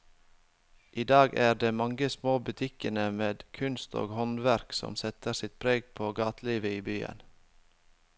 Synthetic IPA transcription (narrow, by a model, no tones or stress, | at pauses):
ʔiːd̪ɑːɡæːɖeːmɑŋɡəsmoːbʉt̪ʰɪkənəmeːd̪kʰʉnst̪o̰ːɡhɔnʋæɾksɔ̰msɛt̪əɾsɪt̪̚pʰɾeːɡ̚pʰoːɡɑːt̪liːʋəiːbyːə̰n